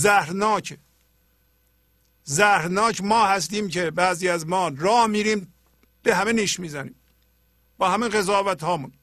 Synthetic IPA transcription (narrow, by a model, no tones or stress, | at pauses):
zæhɾnɒːcʰ | zæhɾnɒːcmɒːhæs̬t̪iːmcʰebæːziːæzmɒːɾɒːhmiːɾiːm | b̥eɦæmeniːʃmiːzænḭːm | b̥ɒːhæmiːnɣe̞zɑːvæt̪hɒːmun